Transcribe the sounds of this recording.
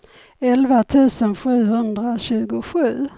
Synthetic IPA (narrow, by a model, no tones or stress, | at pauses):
ɛlvat̪ʰʉ̟ːsənɧʉ̟ːhɵnd̪ɾaɕʉ̟ːɡʊɧʉ̟ː